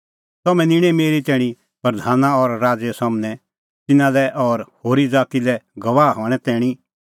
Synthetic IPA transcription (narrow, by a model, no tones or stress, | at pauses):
t̪ɐmɛ̃nɪɽ̃ɛmeːɾit̪ɛ̃ːɽ̃i | pɾd̪ʱaːnaɔɾːaːd͡zjəsaːmnɛ | t̪ɪnalɛʔɔɾhoːɾid͡zaːt̪ilɛɡɐʋaːɦɔːɽ̃ɛt̪ɛ̃ːɽ̃i